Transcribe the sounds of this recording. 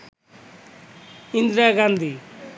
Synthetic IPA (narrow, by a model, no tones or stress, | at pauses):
ind̪ɾaɡãnd̪ʱi